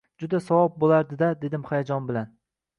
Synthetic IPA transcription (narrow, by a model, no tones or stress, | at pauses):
d͡ʒʊd̪asawɒb̚bolaɾd̪ɪd̪ad̪e̞d̪ɪmχajad͡ʒɒnbɪlan